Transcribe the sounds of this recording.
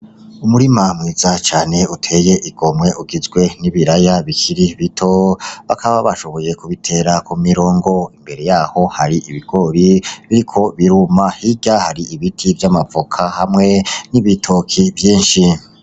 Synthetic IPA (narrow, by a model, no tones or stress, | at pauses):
umuɾimamŋiːzat͡ʃaːne̞utʰe̞je̞ʔiɡ̥o̞mŋe̞uɡizɡwe̞niβiɾajaβikʰiɾiβitʰo̞βakʰaβaβaʃo̞βo̞je̞kuβitʰe̞ɾakumiɾo̞ːŋɡo̞imbe̞ɾe̞jaːho̞haɾiʔiβiɡ̥o̞ɾiβiɾikʰo̞βiɾumahiɟahaɾiiβitʰivjamavokʰahamŋe̞niβitʰokʰiβjiːnʃi